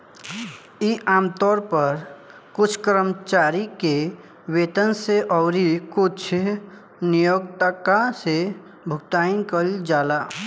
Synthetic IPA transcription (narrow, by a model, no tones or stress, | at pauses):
iʔaːmt̪ɔːɾpəɾ | kʊt͡ʃʰkɾəmt͡ʃaɾike | wet̪ənseʔɔʊɾikʊt͡ʃʰ | nijoɡt̪əkase | bʱʊk̚t̪aːinkəld͡ʒaːla